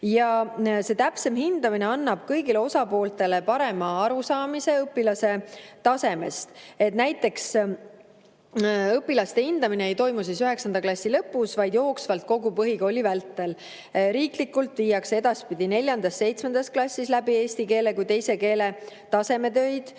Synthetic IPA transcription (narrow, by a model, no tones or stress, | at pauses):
jɑse̞t̪æpse̞mhind̪̥ɑmineɑnːɑb̥kɤjɡile̞o̞sɑpo̞ːlt̪e̞le̞pɑɾe̞mɑɑɾusɑːmise̞ɤpːˑilɑse̞t̪ɑse̞me̞̰st̪e̞t̪næjt̪ːˑe̞ks | ɤpːˑilɑst̪e̞hind̪̥ɑmineejt̪o̞jmus̬isyɦe̞ksɑnd̪̥ɑklɑsʲːilɤpːusvɑjd̪jo̞ːksvɑlt̪̚ko̞ɡupɤɦiko̞lʲːivælt̪ːe̞l | ɾiːklikːult̪viːjːɑkse̞d̪ɑspid̪̥ine̞lʲjɑnd̪̥ɑsːe̞jt̪sme̞nd̪̥ɑsklɑsʲːislæbie̞ːst̪ike̞ːle̞kujt̪e̞jse̞ke̞ːlet̪ɑse̞me̞t̪ø̞jd̪̥